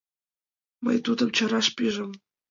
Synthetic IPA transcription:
mɤ̰jt̪ud̪ɤ̆mt͡ɕɤ̆ɾɑʂpʲiʐɘ̆m

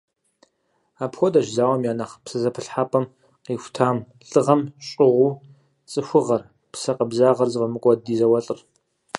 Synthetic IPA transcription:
aːpxʷɔdɐʒzaːwɐmjaːnɐχpsɨzɐpʰɨɬħaːpʼɐm | qiːxʷtʰaːmɬʼɨʁɐmɕʼɪʁʷuː | t͡sʼɨxʷʊʁɐr | pʰsɐqɐbzaːʁɐrzɨvɐmɨkʷʼɔdiːzɐwɐɬʼɨr

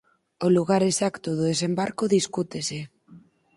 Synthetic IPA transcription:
oluɣaɾesakt̪oðoðes̬embaɾkoðiskut̪ese

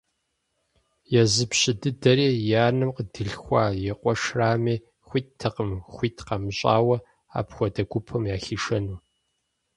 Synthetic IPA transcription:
jɛzɨpɕɪdɨdɐɾeːjaːnɨmqədɨɬxʷɑːjɛqʷʼɔʂraːmiː | xʷiːttʰːɨqəmxʷiːtʰqɑmɨɕʼa̰ːwɐ | a̰ːpxʷɔdɐɡʷʊpʰɐmjaːxiːʂɐnuː

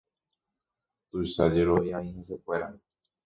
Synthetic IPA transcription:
t̪uʃa̰d͡ʒeɾoʔiãĩhes̬ekʷe̞ɾa

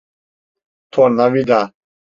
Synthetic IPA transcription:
t̪ʰɔnavid̪a

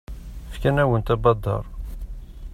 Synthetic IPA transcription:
fkənæwənt̪ɑbɑd̪ːɑ̰ɾˤ

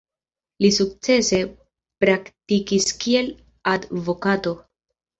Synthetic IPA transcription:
lisuk̚t͡se̞se̞ | pɾaktikiskie̞l | advo̞kato̞

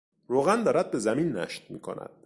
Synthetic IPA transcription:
ɾoːɣænd̪ɒːɾæd̪̚be̞zæminːæ̰ʃt̪̚mḭːkʰo̞̰næ̰d̪̥

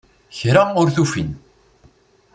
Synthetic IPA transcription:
çɾaʊɾθufḭn

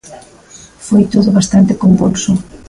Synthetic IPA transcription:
fojt̪oðʊβast̪ant̪ɪkombulsʊ

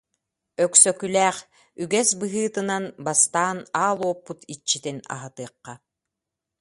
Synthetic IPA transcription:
œksœkylɛːχ | yɡɛsbɯɦɯːt̪ɯnanbast̪aːnaːlˠuɔpːut̪ʰit͡ʃːit̪ina̰ɦat̪ɯːɐqːa

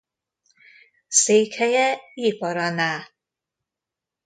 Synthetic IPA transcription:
sekʰɛjɛipɔɾɔna

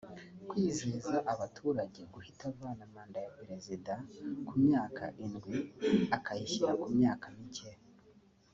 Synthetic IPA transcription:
kwiːziːzaʔaβatʰuːɾaɟe̞ɡuhitaβaːnamaːndajapeɾe̞zidakumɲaːkʰa̰ʔinɡwiakajiçiɾakumɲaːkamice

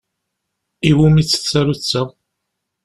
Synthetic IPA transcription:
iwumit͡sːə̥t͡sːæɾut͡sːa

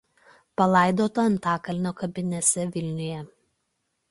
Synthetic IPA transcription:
pɐlˠɑˑɪd̪oːt̪ɐɐnt̪ɑːkɐlʲnʲoːkɐbʲɪnʲɛsʲɛʋʲɪlʲnʲɪjɛ

